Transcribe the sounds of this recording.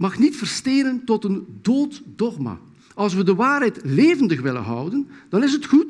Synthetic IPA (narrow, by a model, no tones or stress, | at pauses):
mɑxnitfərsteːnəntɔtəndoːtdɔχma̰ | ɑlˠs̬ʋədəʋaːrɦɛjtleːvəndəxʋɪlə̰nɦʌ̰wdənd̥ɑnɪsɦətxut